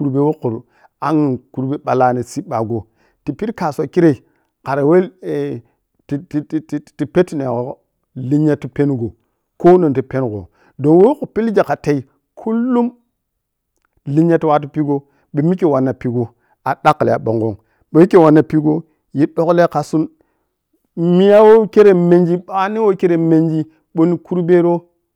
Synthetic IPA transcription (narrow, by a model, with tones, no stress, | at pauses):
ku˨ɾbe˨wo˦kːu˨ɾu˨ | a˦ŋ˨ku˨ɾbe˦ɓa˨la˦ne˨si˦ɓa˨ɡo˨ | ti˨pi˦ɾka˨so˨ki˦ɾe˨ | ka˨ɾe˨we˦l | ti˨˦ti˨pe˦tne˨ko˦ | li˦ɲe˦ti˨pe˦nɡo˨ | ko˦no˨nti˨pe˦nɡo̰˨ | do˨nwo˦ku˨pi˦ld͡ʒa˨ka˨te˨i˨ | kʰu˦lːu˦m | li˦ɲa˦ti˦wa˦t̬u˦pi˦ɡo˦ | ɓe˨mi˦ke˨wa˨nːa˨pi˨ɡo˨ | a˨ɗa˦klḛ˨a̰˨ɓo̰˨ŋɡo̰˦ŋ | ɓe˨mi˦ke˨wa˨nːa˨pi˦ɡo˦ | ji˦ɗo˦kle˦ka˨su˦n | mi˦ja˦wo˦ke˦ɾe˨me˨nd͡ʒi˦ɓa˨˦ni˦wo˦ke˦ɾe˨me˨nd͡ʒi˦ | ɓo˦ni˦ku˦ɾbe˦ɾo˦